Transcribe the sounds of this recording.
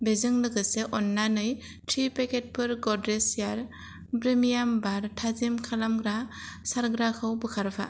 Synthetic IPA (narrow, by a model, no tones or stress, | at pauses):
bezɯŋlɯɡɯseʔɔnːanɯj | tʰɾipeket̚pʰɯɾɡɔdɾesijaɾ | bɾemijambaɾtʰazimkʰalamɡɾasaɾɡɾakʰɯwbɯkʰaɾbʰʱa̰